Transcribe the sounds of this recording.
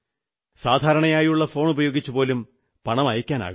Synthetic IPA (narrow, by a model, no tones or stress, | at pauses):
saːd̪ʱaːɾɐɳɐjaːjiuɭːɐfo̞ːɳubɐjo̞ːɡit͡ɕːupo̞ːlum | pɐɳɐmɐjɐkʲːaːna̰ːɣu